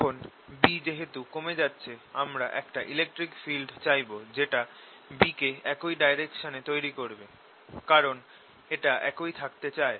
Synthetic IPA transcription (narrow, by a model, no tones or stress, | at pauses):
onbid͡ʑeɦet̪ukomed͡ʑatːɕʰeamɾaʔɛkʈaʔilek̚ʈɾikfilɖt͡ɕajbod͡ʑeʈa | bikeɛkojɖajɾekʃonet̪ojɾikoɾbe | kaɾon | eʈaɛ̰kojt̪ʰakt̪et͡ɕae